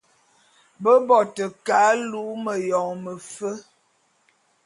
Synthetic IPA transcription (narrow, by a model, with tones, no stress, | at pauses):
bə˦bɔ˨tə˨ka˨˦lu˨˦mə˨jɔ˨ŋmə˨fə˦